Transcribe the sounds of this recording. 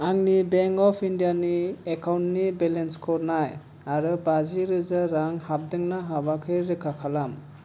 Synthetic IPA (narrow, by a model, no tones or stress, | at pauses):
aŋnibeŋkɔpʰindijaniekawntnibelenskʰɔɾnaj | aɾɯbaziɾɯzaɾaŋhab̚dɯŋnaɦabakʰɯjɾɯkʰakʰalam